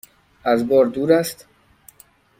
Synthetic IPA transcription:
æzbɒːɾd̪uːɾæst̪

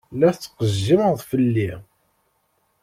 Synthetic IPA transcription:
læθt͡sːqəzːiməʁðˤfəlːi

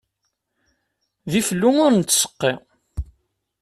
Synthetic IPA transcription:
ðiflːuŋʊɾnt͡sːsə̥qːi

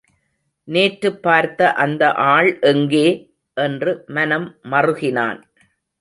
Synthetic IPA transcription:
neːʈɾɯpːaːɾt̪ːɐʔɐnd̪ɐʔaːɭʔɛŋɡeː | ʔɛndrɯmɐnɐmːɐrɯɣɪna̰ːn

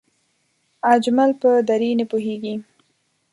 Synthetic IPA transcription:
ad͡ʒmalpəd̪aɾinəpuɦeɡi

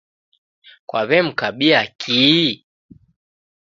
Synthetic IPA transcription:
kwaβɛm̩kaɓiakʰi

